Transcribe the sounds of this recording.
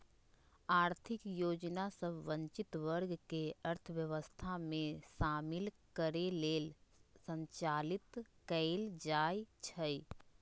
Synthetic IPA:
aːɾt̪ʰɪkjoːd͡ʒnasəbʱʋə̃ɲt͡ʃɪt̪ʋəɾɡkeɐɾt̪ʰəʋjəʋəst̪ʰamẽʃaːmɪlkəɾeleːlsə̃ɲt͡ʃaːlɪt̪kəɪld͡ʒaːjt͡ʃʰəi

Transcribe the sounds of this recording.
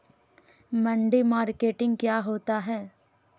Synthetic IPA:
mɐ̃ɳɖimaːɾkeːʈɪ̃ŋɡ̚kjaːɦoːt̪aɦɛː

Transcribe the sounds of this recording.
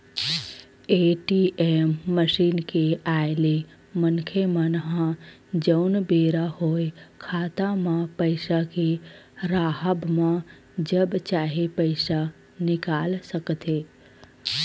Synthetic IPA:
eʈiʔemːəʃinkeajle | mənkʰemãnəɦã | d͡ʒəwnbeɾahojkʰaːt̪amãpəjsakeɾaːɦəbmã | d͡ʒəbt͡ʃaːɦepəɪsa | nɪkalsəkt̪ʰe

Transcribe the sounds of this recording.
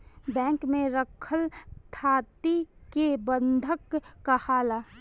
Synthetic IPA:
bɛ̃ːŋkmẽɾəkʰəlt̪ʰaːt̪ikebə̃nd̪ʱəkːahaːlaː

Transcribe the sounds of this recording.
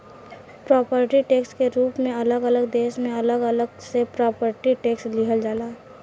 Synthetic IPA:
pɾɔːpəɾʈiʈeːkskeɾuːpmẽɐləɡələɡd̪eːʃmẽɐləɡələɡsepɾɔːpəɾʈiʈeːksliɦəld͡ʒaːlaː

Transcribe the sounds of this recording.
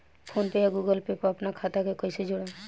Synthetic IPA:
pʰonpejaɡuɡəlpepɔapnakʰat̪akekɔjsed͡ʒoɽa

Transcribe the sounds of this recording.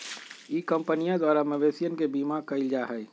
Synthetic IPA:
iːkə̃mpənijãd̪waːɾameʋeːsijənkebiːmakɐɪld͡ʒaɦɛː

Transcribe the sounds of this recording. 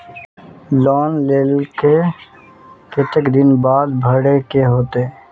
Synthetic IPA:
lɔːnleːlke | kɪt̪ɪkd̪ɪnbaːd̪bʱəɽekeɦoːt̪e

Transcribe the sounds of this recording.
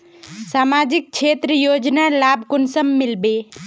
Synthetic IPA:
samad͡ʒik̚t͡ʃʰet̪ɾəjod͡ʒnalabʱkʊnsəmːilbe

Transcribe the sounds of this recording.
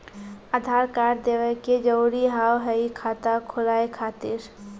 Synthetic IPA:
ad̪ʱaːɾkaːɾd̪eːʋəked͡ʒəuɾiɦaːwɦəikʰaːt̪akʰʊlaːekʰaːt̪iɾ

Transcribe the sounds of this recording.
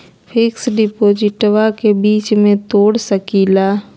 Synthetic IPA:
pʰɪksɖɪpoːd͡ʒɪʈwakebiːt͡ʃmẽt̪oːɽsəkiːlaː

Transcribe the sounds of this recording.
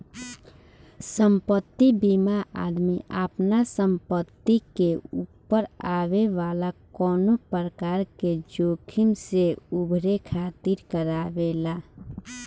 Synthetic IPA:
səmpət̪ːibimaʔa̰d̪miʔə̰pnasəmpət̪ːikeupːəɾaʋeʋalakɔːnopəɾəkaːɾked͡ʒoːkʰimseubʱɾekʰat̪iɾkəɾabela

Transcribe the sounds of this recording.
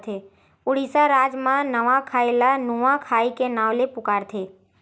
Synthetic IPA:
t̪ʰe | ʊɽisaɾaːd͡ʒmãnəʋãkʰaːelanuʋãkʰaːikenaːʋlepʊkaːɽt̪ʰeː

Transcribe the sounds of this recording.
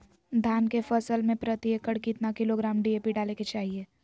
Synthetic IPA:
d̪ʱaːnkefəsəlmẽpɾət̪iəkːəɽkit̪nakɪloɡɾaːmɖiepiɖaːleket͡ʃaːɦieː

